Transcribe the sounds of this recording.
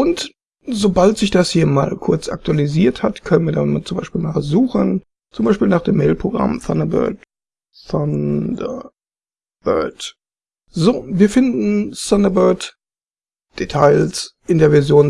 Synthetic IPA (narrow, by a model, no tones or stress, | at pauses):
ʔʊnt | zoːbaltz̥ɪçd̥ashiːɐma̰ːlkʰʊɐt͡sʔa̰k̚tualiziːɐthatkʰœnənviːɐda̰nmt͡sʊmbaɪʃpiːlmaːzuːxən | t͡sʊmbaɪʃpiːlnaːχd̥eːmːeɪlpʁ̥oɡʁa̰mθanɐbœ̰ɐt | fɔndə | b̥œ̰ɐt | zoːviːɐfɪndn̩sandəɐbœɐt | d̥etʰaɪlsʔɪndeːɐvɛɐzjoːn